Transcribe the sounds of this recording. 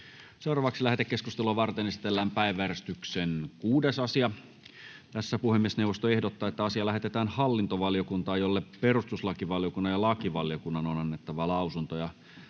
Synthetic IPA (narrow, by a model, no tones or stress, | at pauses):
se̞owɾɑːʋɑksilæhet̪ekːe̞skust̪eluɑʋɑrt̪enesi̥t̪elːæːmpæiʋæærest̪yksenkuːdesɑsiɑ | t̪æsːæpuhemːiesnewʋːˑost̪oe̞hdot̪ːɑːet̪ːæɑsiɑlæɦet̪et̪æːnhɑlːint̪oʋɑlijo̞kunt̪ɑːjolːeperust̪uslɑkiʋɑljokunːɑjɑlɑkiʋɑlijokunːɑnonɑnːet̪ːɑʋɑlɑusunt̪ojɑ